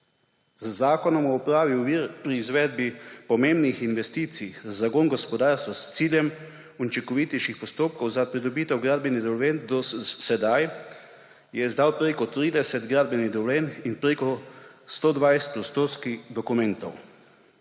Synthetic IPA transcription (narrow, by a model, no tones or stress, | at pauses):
zəzaːkɔnɔmɔɔpɾaːʋiwʋiːɾpɾiːzʋɛd̪bipɔmembnixinʋɛst̪iːt̪sizzaɡoːnɡɔspɔd̪aːɾst̪ʋɔst̪siːlʲjɛm | unt͡ʃikɔʋiːt̪ɛʃixpɔst̪oːp̚kɔwzapɾid̪ɔbiːt̪ɛwɡɾaːd̪̚bɛniɣd̪ɔwlend̪ɔsɛd̪aj | jɛzd̪awpɾeːkɔt̪ɾiːd̪ɛsɛt̪ɡɾaːd̪bɛniɣd̪ɔwleːninpɾeːkɔst̪oːd̪ʋajsɛ̥t̪pɾɔst̪oːskixd̪ɔkumɛnt̪ɔw